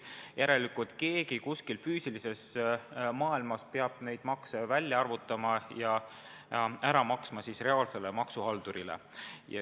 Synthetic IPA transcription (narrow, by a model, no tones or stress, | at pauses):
jæɾe̞likut̪ˑke̞ːɡikuskilfyːsilise̞s | mɑːilmɑspeɑb̥̚ne̞jd̪̥mɑksevælʲjɑɑrvut̪ːˑɑmɑjɑ | æɾɑmɑksmɑsisre̞ɑːlse̞le̞mɑksuɦɑld̪̥uɾilḛ | jɑ̰